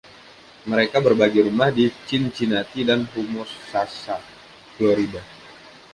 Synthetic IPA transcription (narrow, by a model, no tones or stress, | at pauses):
məɾekabərbaɡiɾumahdit͡ʃɪnt͡ʃinat̪idanɦumʊrsasa | floɾida